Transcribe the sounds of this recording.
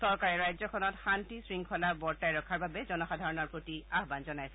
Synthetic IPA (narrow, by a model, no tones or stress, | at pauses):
sɔɹkaɹɛɹajzɔkʰɔnɔtxantisɹiŋkʰɔlabɔɹtajɹɔkʰaɹbabɛzɔnɔxadʱaɹɔnɔɹpɹotiaɦbanzɔnajsɛ